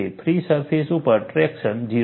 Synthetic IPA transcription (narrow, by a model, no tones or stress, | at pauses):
epʰɾisəɾpʰesupəɾʈɾɛkʃənd͡ʒi